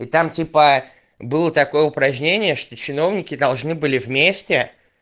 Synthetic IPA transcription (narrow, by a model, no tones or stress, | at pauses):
ɪt̪amtʲipə | bɨlˠət̪ɐko̞jəʊpɾɐʑnʲenʲɪjəʂt̪ot͡ɕɪno̞vnʲɪkʲɪd̪ɐlˠʐnɨbɨlʲɪvmʲesʲtʲɪ